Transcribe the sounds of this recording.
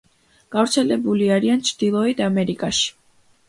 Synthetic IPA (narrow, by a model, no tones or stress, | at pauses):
ɡ̥avɾt̪sʰɛlɛbuliaɾiant͡ʃʰɾd̪̥ilˠɔid̪amɛɾikʼaʃi̥